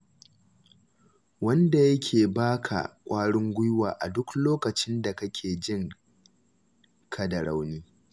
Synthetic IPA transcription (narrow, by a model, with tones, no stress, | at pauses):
wɐ˦nda˨jɐ˦kʲʰeː˨baː˦kʰa̰˨kʷʼaː˦ɽɪ˦ŋɡʷʊ˦jwaː˨ʔa˨dʊ˦kloː˦kɐ˨t͡ʃɪ˦nda˨kɐ˦kʲʰeː˨d͡ʒɪ˦ŋ | kʰɐ˦dɐ˨ɽa˦wniː˦